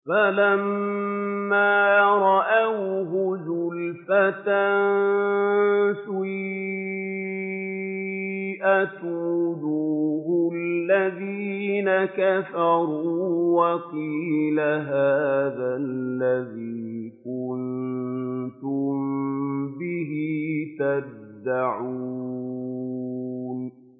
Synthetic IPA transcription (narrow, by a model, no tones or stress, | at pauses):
falamː | aːɾˤɑʔawɦʊzʊlfat̪an | sʊ | ʔat̪uːd̪uːɦʊllːaðiːnakafɑɾuːwɑqiːlaɦaːðalːaðiːkʊn | t̪ʊm | bɪɦɪt̪ab̚d̪ːaʕu | n